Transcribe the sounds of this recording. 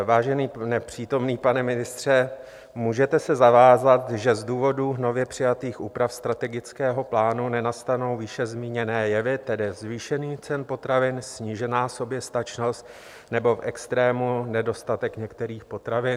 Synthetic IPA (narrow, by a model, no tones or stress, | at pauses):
vaːʒɛniːnɛpr̝̥iːt̪o̞mniːpanɛmɪnɪst̪r̝̥ɛ | muːʒɛt̪ɛsɛzavaːzat̪ʒɛzduːvo̞duːɦno̞vjɛpr̝̥ɪjat̪iːxʔuːpɾafst̪ɾat̪ɛɡɪt͡skɛːɦo̞plaːnunɛnast̪ano̞wvɪʃɛzmiːɲɛnɛːjɛvɪt̪ɛdɪzviːʃɛniːt͡sɛnpo̞t̪ɾavɪnsɲiʒɛnaːso̞bjɛst̪at͡ʃno̞st̪ | nɛbo̞fʔɛkst̪ɾɛːmunɛdo̞st̪at̪ɛkɲɛkt̪ɛɾiːxpo̞t̪ɾavɪn